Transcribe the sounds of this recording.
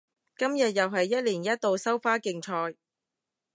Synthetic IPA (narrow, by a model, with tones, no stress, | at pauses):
kɐ˥mjɐ˨t̚jɐ˨wɦɐ˨jːɐ˥t̚liː˨˩njɐ˥t̚t̪o˨˧wsɐ˥wfaː˥kɪ˨˧ŋt͡ʃʰɔː˧j